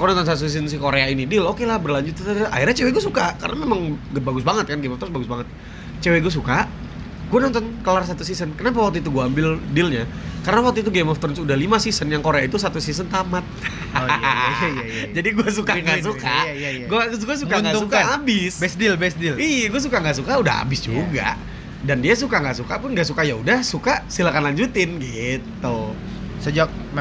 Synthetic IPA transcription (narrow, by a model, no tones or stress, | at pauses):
konɔnt̪ɔnsat̪usisəns̬ikoɾeainidɪlokelahbərlaɲd͡ʒʊt̪̚a̰irɾɲat͡ʃeweɡuasukakaɾə̰namemaŋɡbaɡʊsbaŋət̪̚kanɡemɔft̪ɔnsbaɡʊsbaŋət̪̚ | t͡ʃeweɡuas̬ukaʔ | ɡuanɔnt̪ɔnkəlars̬at̪usisənkənap̬awak̚t̪uit̪uɡuaːmbɪldɪlɲakaɾənawak̚t̪uit̪̬uɡemɔft̪ɔrnsudahlimasisənjaŋkoɾeait̪us̬at̪usisənt̪amat̪̚ | d͡ʒadiɡuas̬ukaŋɡas̬ukajaɡuasɡuas̬ukaŋɡausukaaabɪsbɛsdɪlbɛsdɪliɡuas̬ukaŋɡaʔsukaudaɦa̰bɪsd͡ʒuɡa̰ʔ | dandias̬ukaŋɡaʔsukapʊnŋɡaʔsukajaudahsukasilakanlaɲd͡ʒut̪ɪnɡit̪ːu | səd͡ʒak̚ | m